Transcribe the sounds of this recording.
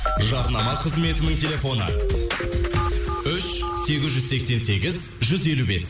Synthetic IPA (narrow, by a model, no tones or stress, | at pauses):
ʒɑɾnɑmɑqʰəzme̞t̪ɪnɪŋt̪ʲʰe̞lʲe̞fo̞nə̰ | ʏʃse̞ɡʲɪzʒʏzse̞kse̞nse̞ɡʲɪz | ʒʏze̞lube̞s